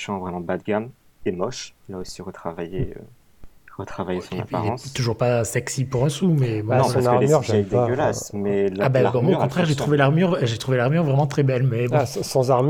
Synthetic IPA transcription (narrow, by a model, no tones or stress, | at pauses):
ʃɑ̃vʁɛmɑ̃bad̪̚ɡam | emɔʃlaosiʁət̪χavajeø̰ | ʁət̪χavajesɑ̃na̰pipaʁlɛɑ̃st̪uʒuʁpasɛksipuʁɛ̃sumɛmnɔ̃aʁsakʁeʁad̪ɡəlasmɛlabaʁbɔ̃mwaokɔ̃t̪χɛʁʒet̪χuvelaʁmyʁʒet̪χuvelaʁmyʁvʁɛmɑ̃t̪χɛbɛlmɛbɔ̃sɑ̃zaʁm